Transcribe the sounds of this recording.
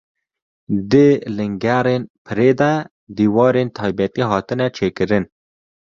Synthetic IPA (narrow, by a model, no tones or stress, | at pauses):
d̪ɨlɨŋɡæɾeːnpʰɨɾeːd̪ɛ | d̪iːwɑːɾent̪ʰɑːjbɛt̪iːɦɑːt̪ɨnɛt͡ʃʰeːkɨɾɨn